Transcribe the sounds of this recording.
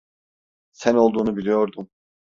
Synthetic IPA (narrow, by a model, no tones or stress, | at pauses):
sæno̞lˠd̪uːnubilʲijo̞ɾd̪um